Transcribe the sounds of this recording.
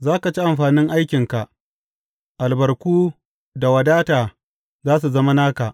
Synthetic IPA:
zaː˦ka˨t͡ʃi˦ʔa˨mɸaː˨nɪ˦ŋʔa˦jkʲɪ˨ŋka˨ʔ | ʔa˨lbɐ˨rkʷuː˦ | da˨wɐ˨daː˦taː˨ | zaː˦s̬u˨zɐ˦ma˦naː˦ka˨ʔ

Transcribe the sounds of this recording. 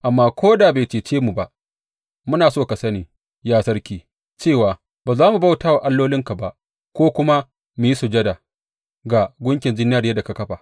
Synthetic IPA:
ʔa˨mːaː˦kʷʰoː˦daː˨beː˨t͡ʃeː˨t͡ʃeː˦mu˨ba˦ʔ | mʊ˦naː˨soː˦˨ka˨sɐ˦niː˨ | jaː˦sɐ˦rkʲiː˨ | t͡ʃeː˦˨waː˨ | baː˨zaː˦mu˨ba˦˨wtaː˦wa˨ʔa˦lːoː˦lɪ˦ŋka˨ba˨ʔ | kʷoː˦kʷʊ˦ma˦ | mu˨i˦su˨d͡ʒɐ˦da˨ | ɡa˨ɡʷʊ˦ŋkʲɪ˨nd͡ʒɪ˦n˦aː˦ɾɪ˨˦da˨ka˨kɐ˦ɸa˨

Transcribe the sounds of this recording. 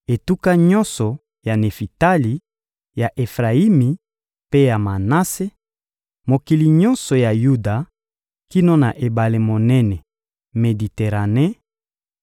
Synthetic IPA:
e˨tu˦ka˦ɲɔ̃˦nsɔ˨ | ja˨ne˨fi˨ta˦li˨ | ja˨ʔe˨fʁa˨i˦mi˨ | pe˦ja˨ma˨na˦se˦ | mo˨ki˨li˨ɲɔ̃˦nsɔ˨ja˨ju˦da˨ | ki˦no˦na˨ʔe˨ba˨le˨mo˨nɛ˦nɛ˨ | me˨di˨te˨ʁa˨ne˦

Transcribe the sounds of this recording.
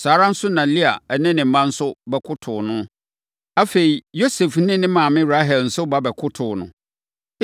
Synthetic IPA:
saː˨ɾã˦n̩˦sʊ˦nã˨li˦a˨nɪ̃˦nɪ̃˨m̩˦mã˦n̩˦sʊ˦bɛ˨kʰʊ˦tʰʊ˨nʊ̃˦ | a˦fe˨i˨jo˦sɛ˨fnɪ̃˦nɪ̃˦mã˨mɪ̃˦ɾa˦ɦɛ˨ln̩˨sʊ˦ba˦bɛ˨kʰʊ˦tʰʊː˨nʊ̰̃˦

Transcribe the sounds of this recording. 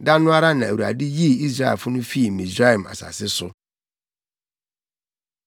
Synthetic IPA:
da˦nʊ̃˦a˦ɾa˦nã˨wu˨a̰˨dɪ˦ji˦i˦sɾa˦ḛ˨fʊ˦nʊ̃˦fi˦˨mĩ˨zɾa˦e˨m˨a̰˨sa̰˨sɪ˦sʊ˦

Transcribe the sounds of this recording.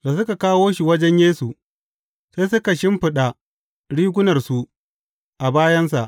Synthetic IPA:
da˨s̬ʊ˦ka˨kaː˦woː˦ʃi˨wɐ˦d͡ʒɛ˦ɲjeː˦su˨ | se˦jsʊ˦ka˨ʃɪ˦mɸɪ˨ɗa˨ | ɽiː˦ɡʷʊ˦nɐ˨rsu˨ | ʔa˨baː˦jɐ˦ns̬a˨ʔ

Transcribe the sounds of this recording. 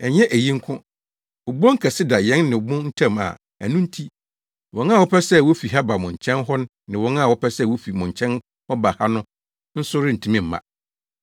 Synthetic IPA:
ɛ˨ɲɛ̃˦ʔæ˨jĩ˦ŋ̩˦kʰʊ̃˦ | ʊ˨bɔ̃˦ŋ̩˦kʰɛ˨sɪ˦da˨jɛ̃˦nːɪ̃˨bʊ̃˦n̩˦tʰã˦˨ma̰˨ | æ̰˨nũ˦n̩˦tʰi˦ | wɔ̃˨nã˦˨wɔ˦pʰɛ˦sɛ˦˨wo˦fi˨ɦa˦ba˨mʊ̃˨ɲ˨t͡ɕʰɛ̃˦nɦɔ˦ñ˦ | nɪ̃˨wɔ̃˨˦nã˦˨wɔ˦pɛ˦sɛ˦˨wo˦fi˨mʊ̃˨ɲ˨t͡ɕʰɛ̃˦n | hɔ˦ba˨ha˦nʊ̃˦ | n̩˦sʊ˦ɾɪ˦n̩˨tʰĩ˨mĩ˦˨m̩˨mã̰˨

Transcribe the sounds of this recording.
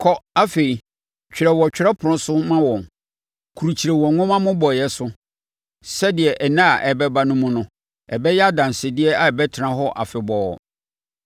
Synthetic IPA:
kʰɔ˦a˦fe˨i˨ | t͡ɕᶣɪ˨ɾɛ˨wɔ˨t͡ɕᶣɾɛ˦pʰʊ˨ʊ̃˦sʊ˦mã˦wɔ̃˨n | kʰu˨ɾu˨t͡ɕʰi˨ɾe˨wɔ˨ŋʊ̃˦mã˦mʊ̃˦bɔ˨jɛ˦sʊ˦ | sɛ˦dɪ˨ɛ˨ʔɛ˨nã˦a˨ʔɛ˨bɛ˦ba˨nʊ̃˦mʊ̃˦nʊ̃˦ | ɛ˨bɛ˦jɛ˦a˦dã˨nsɪ˨dɪ˦ɛ˦a˨ɛ˨bɛ˦tʰɪ˨nã˨ɦɔ˦ʔa̰˨fɪ˨bɔː˨

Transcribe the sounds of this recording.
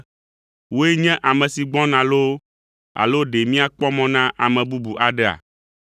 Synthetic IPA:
wo˦e˦ɲɛ̃˦ʔa˨mɛ̃˨si˨ɡ͡bɔ̃˦nã˨lo˦ | a̰˨lo˦ɖe˨mĩ˦a˨k͡pɔ˦mɔ̃˦nã˦ʔa˨mɛ̃˨bu˦bu˨ʔa˨ɖe˦a̰˨

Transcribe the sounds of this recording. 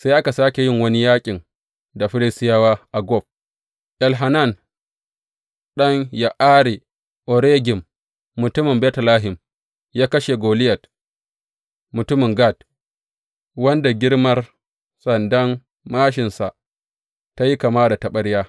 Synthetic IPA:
sa˦jʔa˦ka˨saː˦kʲe˨jɪ˦ŋwɐ˦ni˦jaː˦kʲʼɪ˨ŋ | da˨ɸɪ˦lɪ˦stɪ˦jaː˦waː˦ʔa˨ɡɔ˦˨b̚ | ʔɛ˨lɦa˨na˦˨n | ɗɐ˦ŋja˨ʔaː˦ɽi˨ | ʔɔ˨ɾeː˦ɡʲɪ˨mː | ʊ˨tʊ˦mɪ˨mbɛː˦tla˦ɦɪ˨m | jaː˦kɐ˦ʃe˨ɡoː˨lɪ˦jɐ˨t̚ | mʊ˨tʊ˦mɪ˨ŋɡa˦˨t | wɐ˦nda˨ɡʲɪ˦ɾmɐ˦r | sɐ˨ndɐ˦n | maː˦ʃ̬ɪ˨nsa˨ | ta˦ji˦ka˨maː˦da˨tɐ˨ɓɐ˦ɽjaː˦

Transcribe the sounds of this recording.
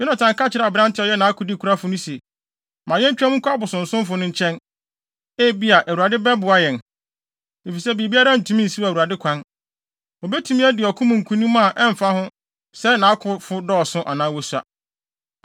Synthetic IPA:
jɛ˦nã˨tʰã˨ŋ˦ka˦t͡ɕʰɪ˨ɾbɪɾã˦n˦tʰɪ˦ɔ˨˦jɛ˦nã˨a˦kʰʊ˨di˦˨kʰu˨ɾa˦fʊ˨nʊ̃˦se˨ | mã˨jɛ˦t͡ɕᶣã˦m˦ŋ̩˦kʰʷa˦bʊ˨sʊ̃˨n̩˨sʊ̃˦m˦fʊ˨nʊ̃˦ɲ̩˦t͡ɕʰɛ̃˦n | e˦bi˦a˨ʔæ˨wu˨ɾa˨dɪ˦bɛ˦bʊ˨a˦jɛ̃˨n | ne˨fi˨sɛ˦bi˨e˨bi˦a˦ɾa˦n̩˨tʰũ˦mĩ˦n̩˨si˦˨u˨ɾa˨dɪ˦kʷʰã˦n | o˨bɛ˦tʰu˨mĩ˦ɛ˦dɪ˨ɔ˨kʰʊ̃˦mũ˨ŋ̩˨kʰũ˦nĩ˦mã˦˨ʔɛ˦m̩˨fa˦hʊ̃˦ | sɛ˦nã˨˦a˦kʰʊ˨fʊ˦dɔ˦ɔ˨sʊ̃˦ʔa̰˨nã˦wɔ˦su˦a̰˨

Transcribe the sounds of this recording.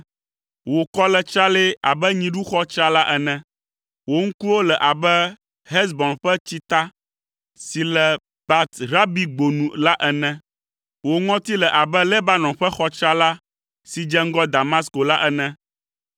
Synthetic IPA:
wo˨kɔ˦lɛ˨t͡ʃɾa˦le˦a˨bɛ˦ɲĩ˨ɖu˦xɔ˦t͡ʃɾa˦la˦ʔɛ˨nɛ̃˨ | wo˦ŋ̩˦ku˦wo˦lɛ˨ʔa˨bɛ˦ | ɦɛ˦s̬bɔ̃˨nɸɛ˦t͡ɕi˦t̪a˦ | si˨lɛ˨ | ba˨t̪ɾa˦bi˨ɡ͡bo˨nũ˨la˦ʔɛ˨nɛ̃˦ | wo˨ŋɔ̃˦t̪i˦lɛ˨ʔa˨bɛ˦lɛ˦ba˦nɔ̃˨ɸɛ˦xɔ˦t͡ʃɾa˦la˦ | si˨d͡ʒɛ˦ŋ̩˦ɡɔ˦d̪a˨ma˦sko˨la˦ʔɛ˦nɛ̃˦

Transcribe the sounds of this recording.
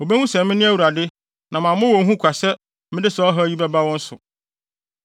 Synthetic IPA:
o˨be˦hũ˦sɛ˨mɪ̃˦nɪ̃˦æ˦wu˨ɾa˨dɪ˦ | nʔã˨mã˨mʊ̃˦wɔ̃˨ŋ˦ɦũ˦kʷʰa˨sɛ˦ | mɪ̃˦dɪ˦sɔ˦ɦɔ˦ji˦bɛ˦ba˦wɔ̃˦n̩˦sʊ˨

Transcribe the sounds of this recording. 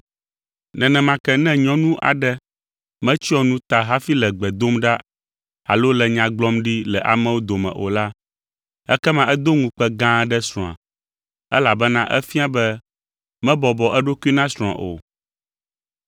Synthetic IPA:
nɛ̃˨nɛ̃˨mã˨˦kɛ˦nɛ̃˦ɲɔ̃˦nũ˦ʔa̰˨ɖɛ˦ | mɛ̃˦t͡ɕi˦ɔ˦nũ˦t̪a˨ɦa˦fi˦lɛ˨ɡ͡bɛ˨d̪o˦mɖa˦ | a̰˨lo˦lɛ˨ɲã˨ɡ͡blɔ˦mɖi˦lɛ˨ʔa̰˨mɛ̃˦wo˦d̪o˨mɛ̰̃˨ʔo̰˨la˦ | ɛ̰˦kɛ˦mã˦ʔɛ˦d̪o˦ŋũ˨k͡pɛ˦ɡã˦ɖɛ˦sɾɔ̃˨ã̰˨ | ɛ˦la˨bɛ˦nã˦ʔɛ˦fi˦a˦bɛ˦ | mɛ̃˦bɔ˨bɔ˨ʔɛ˦ɖo˦ku˦i˦nã˦sɾɔ̃˨ã̰˨ʔo̰˨

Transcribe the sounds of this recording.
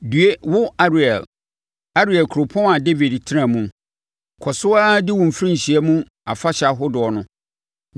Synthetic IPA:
dɥe˦wʊ˦a˦ɾi˨ɛ̰˨l | a˦ɾi˨ɛ˨lkʰɾʊ˨pʰɔ̃˦na˨de˦vi˨dtʰɪ˦ɾã˨mũ˨ | kʰɔ˨sʊ˦a˦dɪ˦wʊ̃˨m̩˨fɾĩ˦ɲ̩˨ɕi˨ɛ˦mũ˦ | a˨fa˦ɕa˨ɦʊ˦dʊ˨ɔ˨nʊ̃˦

